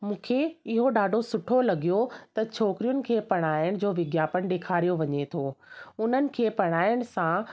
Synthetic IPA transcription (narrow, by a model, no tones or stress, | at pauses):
mũːkʰeɪɦoɗaːɖʱosʊʈʰolɐɡijot̪ɐt͡ɕʰoːkɾijʊnɪ̆kʰeːpɐɽ̃aːɪɽ̃̆d͡ʑoːʋɪɡjaːpəɽ̃ɗeːkʰaːɾijoʋɐɲet̪ʰoːʊn̤ənɪ̆kʰeːpɐɽ̃aːɪɽ̃sã